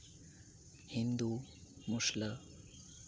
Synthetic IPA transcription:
hind̪umuʂlə

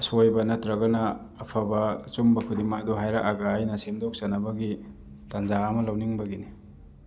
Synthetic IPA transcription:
sojbɐnɐtɾɐɡɐnɐː | pʰabɐt͡ʃumbɐkʰudimaduɦajɾaʔaɡajnɐsemdok̚sɐnɐbɐɡi | tanzaːmɐlɐwniŋbɐɡini

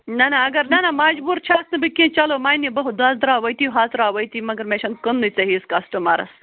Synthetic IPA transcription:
nɐnɐːɡɐɾnɐnɐmad͡ʒbuɾt͡ʃʰaːsnɐbɨkĩːt͡ʃɐlomaːjnibɐɦud̪aːzd̪ɾaːwɐjt̪iɦaːt̪ɾaːwɐjt̪imɐɡɐɾmeʃɐnkənːɨt͡sɐɦiːskɐsʈɨmɐ̰ɾɐ̰s

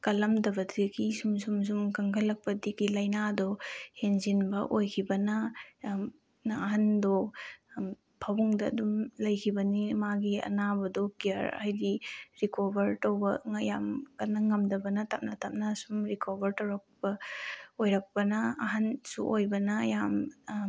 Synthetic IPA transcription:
kɐlɐmdɐbɐtʰiɡisumsums̬umkɐŋkʰɐlːɐk̚pɐdiɡilɐjnadɔhenzinbɐʔojkʰibɐnɐ | nɐɦandɔ | pʰɐwuŋdɐ̰ːdumlɐjkʰibɐnimaɡiɐ̰nabɐdɔkijɐɾa̰jdiɾikʰobɐɾtɐwbɐŋɐjamkɐnɐŋɐmdɐbɐnɐtap̚nɐtap̚nɐsumɾikʰobʱɐɾtɐwɾɐk̚pɐojɾɐk̚pɐnɐɐɦɐnsṵʔojbɐnɐjam

